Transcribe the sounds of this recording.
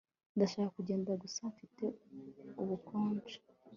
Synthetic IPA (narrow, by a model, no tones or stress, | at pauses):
ndaʃaːkakuɟe̞ːndaɡusaɱfite̞uβukoːnt͡ʃe̥